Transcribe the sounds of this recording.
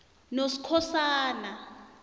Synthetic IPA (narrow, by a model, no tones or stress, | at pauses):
nosi̥kʰɔsaːna